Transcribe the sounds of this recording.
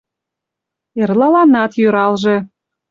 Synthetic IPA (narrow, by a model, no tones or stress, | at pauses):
erlɑlɑnɑt̪jøɾɑlʒe